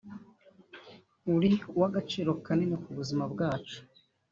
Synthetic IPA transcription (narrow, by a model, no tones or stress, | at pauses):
uɾiuwaɡat͡ʃiːɾo̞kanenekuβuzimabɡaːt͡ʃu̥